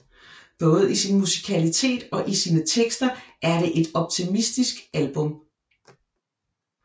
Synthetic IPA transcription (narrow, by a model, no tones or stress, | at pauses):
b̥ɔ̽ːð̞̩ˠisinmusi̥kʰælit͡sʰe̝̰ːd̥ɒ̽ʔisiːnət͡sʰeɡ̥sd̥ɐʔæɐɾ̥e̝ʔe̝d̥ɒ̽b̥̚t͡sʰimisd̥isɡ̥ælb̥ɔ̽m